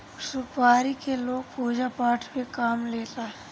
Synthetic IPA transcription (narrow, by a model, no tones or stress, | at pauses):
sʊpaːɾikeloːɡ̚puːd͡ʒapaːʈʰpekaːmleːt̪aːɦɛ